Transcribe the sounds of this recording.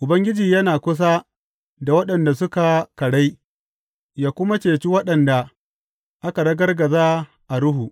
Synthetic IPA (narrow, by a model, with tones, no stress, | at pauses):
ʔʊ˨bɐ˦ŋɡʲɪ˦d͡ʒiː˨jɐ˦naː˨kʷʊ˦s̬a˦ | da˨wɐ˦ɗɐ˨nda˨s̬ʊ˦ka˨kɐ˨ɽa˦j | jaː˦kʷʊ˦ma˦t͡ʃeː˨t͡ʃi˦wɐ˦ɗɐ˨nda˨ | ʔa˦ka˨dɐ˦ɡɐ˦rɡɐ˨zaː˦ | ʔa˨ɽʊ˦ɦuː˨ʔ